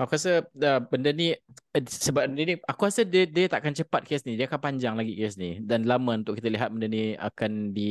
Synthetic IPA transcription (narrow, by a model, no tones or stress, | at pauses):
akuasəəbəndəni | səbabəndəniakuɾasədədiət̪aʔakant͡ʃəpat̪̚kesnĩdiəakanpaɲd͡ʒaŋlaɡikesnidanlamãunt̪ʊkːit̪əliɦat̪̚bəndənia̰kanbi